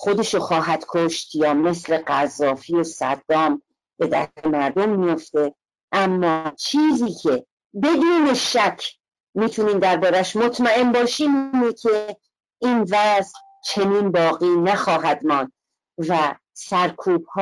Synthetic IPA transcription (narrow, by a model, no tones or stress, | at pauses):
xod̪e̞ʃoxɒːɦæd̪̥kʰoʃt̪jɒːme̞sle̞ɢæzːɒːfiːosæ̰d̪ːɒːm | b̥e̞d̪æ̰emæɾd̪omːijo̞ft̪e̞ | ʔæmːɒːt͡ʃʰiːziːcʰe̞ | be̞d̪uːne̞ʃækʰ | miːt̪ʰuniːmd̪æɾbɒːɾæʃmot̪ʰmæe̞mbɒːʃiːmːnecʰe̞ | ʔiːnvæzl | t͡ʃʰe̞niːnbɒːɣiːnæxɒːɦæd̪mɒːnd̪̥̚ | væ | sæɾkʰuːb̥̚h